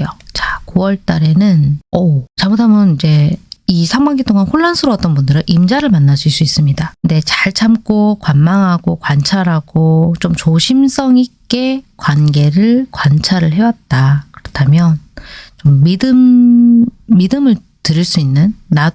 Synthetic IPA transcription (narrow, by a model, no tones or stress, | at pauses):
jot͡ɕakuwʌɭt͈aɾe̞nɯnʌt͡ɕamotʰamjʌnid͡ʑe̞isʰaŋɡwaŋɡit͈ʰoŋanɸoɭːansʰɯɾoʌt͈̚ʌnbundɯɾɯnʔimd͡ʑaɾɯɭmanːas͈uis͈uis͈ɯmɲidaknde̞t͡ɕaɭt͡ɕʰamk͈okwanmaŋɦaɡokwant͡ɕʰaɾɦaɡ̥ot͡ɕomt͡ɕoɕʰimsʰʌŋik͈e̞kwanɡe̞ɾɯɭkwant͡ɕʰaɾɯɭɦe̞wat̚t͈akɯɾʌtʰamjʌnt͡ɕomːidɯmː | idɯmɯɭ | tɯɾiɭs͈uinːɯnːa